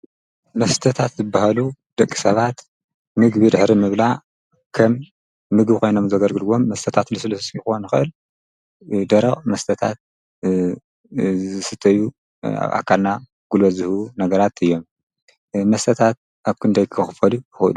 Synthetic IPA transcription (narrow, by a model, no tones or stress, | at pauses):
mɐst̪ʰɐt̪ʰat̪zɨbːahalud̪̥ɐkʼːi̥sɐβat̪ | mɨɡβid̪ɨħɾimɨβlaʕ | kʰɐmː | ɨɡbɨkʰo̞jno̞mzɐɡɐlɡɨluwo̞mːɐst̪ʰɐt̪ʰat̪lɨsɨlɐssjɨxonɨxɨʔɨl | d̪ɐɾɐʔʼmɐst̪ʰɐt̪ʰa̰t̪̚ | ɨsɨt̪ʰːɐjṵ | ʔa̰kʰːalna | ɡ̥ulβɐzɨhunɐɡɐɾat̪ɨjːo̞mː | ɐst̪ʰɐt̪ʰat̪̚ | ʔaβkʰɨnd̪ɐjkʰɨxɨfɐlubɨxlu